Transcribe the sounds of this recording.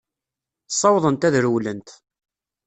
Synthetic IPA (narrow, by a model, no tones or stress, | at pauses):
sˤːɑwðˤənt̪æðɾwlənt̪